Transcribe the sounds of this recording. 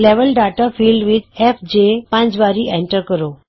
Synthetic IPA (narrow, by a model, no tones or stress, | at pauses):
leʋəlɖaʈafilɖʋid̪efd͡ʑepãt͡ɕʋaɾiẽɳʈəɾkəɾo